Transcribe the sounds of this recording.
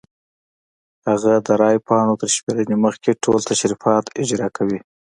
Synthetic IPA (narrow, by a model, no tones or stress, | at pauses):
haɣad̪əɾɑjpɑnot̪əɾʃmeɾəneməxkʰeʈʰolt̪aʃɾifɑt̪ɪd͡ʒɾɑkʰawi